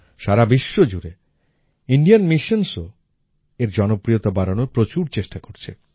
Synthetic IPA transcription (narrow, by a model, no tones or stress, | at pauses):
ʃaɾabiʃːod͡ʑuɾe | iɳɖijanmiʃonso | eɾd͡ʑɔnopɾijot̪abaɾanoɾpɾot͡ɕuɾt͡ɕeʃʈakoɾt͡ɕʰḛ